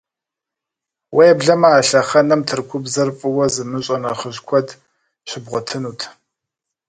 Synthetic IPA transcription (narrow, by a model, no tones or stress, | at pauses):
wɐjɛbɮɐmɐːɬɐχɐnɐmtʰɨrkʷʰʊbzɐrfʼɨwɐzɨmɨɕʼɐnɐχəʑkʷʰɔd | ɕʷɪbʁʷɔtʰɨnuːtʰ